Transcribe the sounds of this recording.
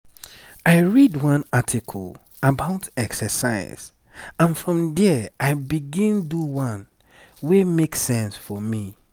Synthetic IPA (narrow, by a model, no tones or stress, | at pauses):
aɪɹidwʌ̃natʰikʰɔ̰lˠ | əbaʊtɛksəsa̰ɪz̥ | ãnfɹɔ̃mdɛʔaɪbiɡĩnduwʌ̃n | wemeksɛ̃nsfɔmi